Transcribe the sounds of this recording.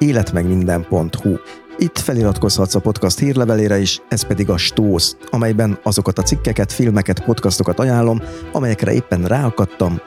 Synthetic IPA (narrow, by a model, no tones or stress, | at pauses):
eːlɛt̪mɛɡmind̪ɛmpo̞nt̪huit̪ːfɛliɾɒt̪ko̞shɒt̪sɒpo̞t̪kɒst̪hiːrlɛvɛleːɾɛeːʃɛspɛd̪iɡɒʃt̪oːs | ɒmɛjbɛnɒzo̞kɒt̪ɒt̪sikːɛkɛt̪filmɛkɛt̪po̞t̪kɒst̪o̞kɒt̪ɒjaːlːo̞mɒ̰mɛjɛkrʔɛ̰ʔḛːpːɛnraːɦɒkɒt̪ːɒm